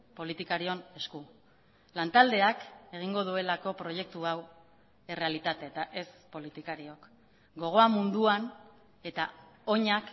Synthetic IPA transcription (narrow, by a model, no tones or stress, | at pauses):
po̞lit̪ikaɾio̞ne̞sku | lant̪ald̪e̞ake̞ɣ̞iŋɡo̞ð̞ue̞lako̞pɾo̞je̞k̚t̪uaw | e̞re̞alit̪at̪eet̪aʔe̞spo̞lit̪ikaɾio̞k | ɡo̞ɣ̞o̞amund̪uan | e̞t̪ao̞ɲak